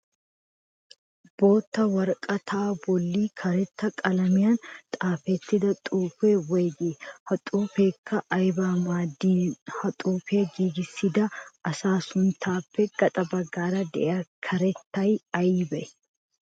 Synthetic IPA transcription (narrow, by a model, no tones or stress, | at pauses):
b̥o̞ːt̪ːɐwɐɾkʼɐt̪ʰaːbɔlːiːkʰɐɾɛt̪ːɐkʼɐlɐmɪjaːnt̪ʼaːfet̪ːɪd̪ɐt̪ʼuːfeːwejɡɪhɐt̪ʼuːfeːkʰːɐʔɐjbaːmaːd̪iːhɐt̪ʼuːfeːɡiːɡɪsɪd̪ɐʔɐsaːsʊnt̪ʰaːfːɛɡ̥ɐt̪ʼɐbɐɡːaːɾɐd̪ɛ̰ʔɐkʰɐɾɛt̪ːɐjɐjbɐʔɛ